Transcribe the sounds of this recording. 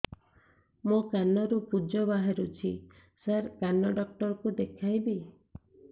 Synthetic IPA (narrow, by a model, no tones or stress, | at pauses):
mokanɔɾupud͡ʒɔbaɦeɾut͡ʃʰi | saɾkanɔɖɔk̚ʈɔɾɔkud̪ekʰajbi